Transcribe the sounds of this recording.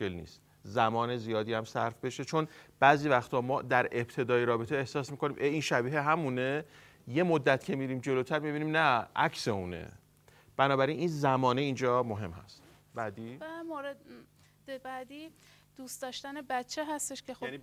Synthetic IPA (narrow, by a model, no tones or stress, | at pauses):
elnḭːst̪ | zæmɒːne̞zijɒːd̪iːæmsæɾfbe̞ʃe̞t͡ʃʰonb̥æːziːvæxt̪ʰɒːmɒːd̪æɾe̞bt̪ʰe̞d̪ɒːjeɾɒːbet̪ʰeːhsɒːsmiːko̞niːmʔeinʃæbiːɦeɦæmune | je̞mod̪ːæt̪cʰe̞miːɾiːmd͡ʒe̞loːt̪ʰæɾmibiːniːmnæʔæcse̞uːnḛ | b̥ænɒːbæɾiniːnzæmɒːneind͡ʒɒːmoɦe̞mhæ̰st̪ | bæd̪iæmoɾe | d̪̥ebæd̪iː | d̪̥uːst̪d̪ɒːʃt̪ænebætt͡ʃʰːeɦæst̪eʃkʰexo